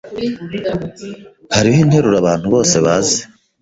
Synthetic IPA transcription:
haɾiiːn̥he̞ɾuɾaβaːn̥huβo̞ːse̞βaːze̥

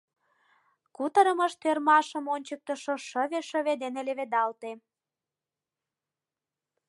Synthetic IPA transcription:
kut̪əɾəməʃt̪ørmɑʃə̆monʲt͡ɕək̚t̪əʃoʃəβeʃə̆βed̪eneleβed̪ɑlt̪e

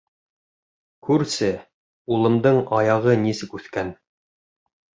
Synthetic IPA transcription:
kʉɾsɘ | ulˠɤ̆md̪ɤɴɑjɑʁɤnisɘkʉθkæn

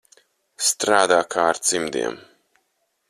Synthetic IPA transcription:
st̪ɾaːd̪aːkʰaːɾt̪simd̪ḭɛm

